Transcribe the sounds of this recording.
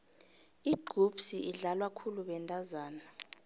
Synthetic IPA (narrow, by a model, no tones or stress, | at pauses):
iɡ͡ǃ̥ʱub̥siʔiɮalwakʰuluɓɛntʼazaːna